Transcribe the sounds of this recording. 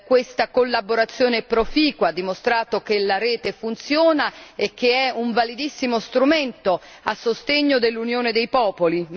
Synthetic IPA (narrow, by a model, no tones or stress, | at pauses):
kwest̪akolːaboɾat̪sːjoːnepɾofiːkwad̪ːimost̪ɾaːt̪ok̟elaɾɛːt̪efunt̪sjoːnaek̟ːeɛuɱvalid̪isːimost̪ɾument̪o | asːost̪eɲːod̪elːunjoːned̪ejpɔːpoli